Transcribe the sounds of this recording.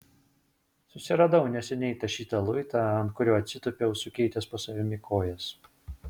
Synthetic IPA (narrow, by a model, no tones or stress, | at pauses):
sʊsʲɪɾɐd̪ɐʊnʲɛsʲɛnʲɛɪt̪ɐʃʲiːt̪ɐlˠʊɪt̪ɑˑɐnt̪̚kʊɾʲoːɐt̪ʲsʲɪt̪ʊpʲɛʊsʊkʲɛɪt̪ʲɛspɐsɐʋʲɪmʲɪkʰoːjɛs